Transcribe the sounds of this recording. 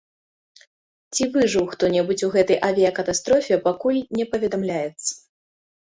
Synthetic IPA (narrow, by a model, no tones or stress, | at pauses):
t͡sʲivɨʐɨwxt̪ɔnʲɛbut͡sʲuɣɛt̪ɐjʔavʲijɐkɐt̪ast̪ɾɔfʲɛpakulʲnʲɛpɐvʲɛd̪amlʲajɛt̪sːɐ̥